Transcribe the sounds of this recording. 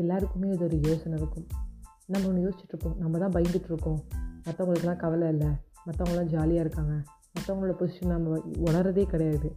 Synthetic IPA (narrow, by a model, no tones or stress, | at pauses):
ɛlːaːɾɯkːɯmeːɐðɔɾɯjeːsɐnɪɾɯkːɯm | nɐmːɐɔnːɐjoːsɪ̥t͡ʃːɪʈːɾɯkːõːnɐmːɐt̪ãːbɐjɐŋɡɪʈːɯɾɯkːʊ̃ːmɐt̪ːɐ̃ːʊŋɡɐɭɯkːɐlːãːkɐʋɐlɐɪlːɐ | mɐt̪ːɐ̃ʋʊŋɡɭɐlãːd͡ʒaːlɪjaːɪɾɯkːaːŋɡɐ | mɐt̪ːɐ̃ʋʊŋɡɐɭɯɽːɐposɪʂɐnnɐmbɐɔɽɐɾɐðeːkɪɽɐjaːðɯ